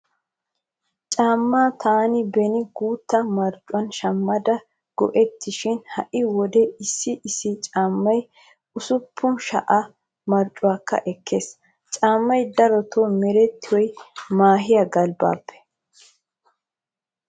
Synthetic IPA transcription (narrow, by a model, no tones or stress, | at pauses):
t͡ʃʼaːmːaːt̪ʰaːnɪbɛnɪɡuːt̪ːɐmɐɾt͡ʃʼːʊwɐnʃɐmːɐd̪ɐ | ɡ̥ɔ̰ʔɛt̪ːɪʃɪnhɐʔɪwɔd̪ɛɪsːɪʔɪsːɪt͡ʃʼaːmːɐj | ʊsʊpʰːʊnʃɐ̰ʔɐ | mɐɾt͡ʃʼːʊwaːkːɐ̰ʔɛkʰːeːs | t͡ʃʼaːmːɐjd̪ɐɾɔt̪ʰomɛɾɛt̪ːɪwɔjmaːɦɪjɐɡɐlba̰ːpʰːɛ̥